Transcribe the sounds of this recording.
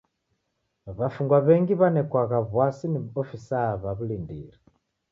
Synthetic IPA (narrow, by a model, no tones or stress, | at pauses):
βafuŋɡwaβɛŋɡiβanɛkwaɣaβwasiniβɔfisaβaβulindiɾɛ